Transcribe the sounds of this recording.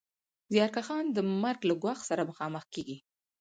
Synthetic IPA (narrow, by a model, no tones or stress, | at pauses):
zijɑɾkaxɑnd̪əmaɾɡlaɡwɑxsaɾaməxɑməxkeɡi